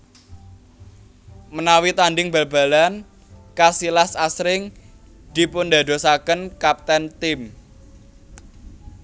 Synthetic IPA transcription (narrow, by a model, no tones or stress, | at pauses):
mənawit̪anɖɪŋba̤lb̥a̤lan | kasilasasɾɪŋ | d̪̥i̤pʊnd̪a̤d̪o̤sakənkap̚t̪ɛnt̪ɪm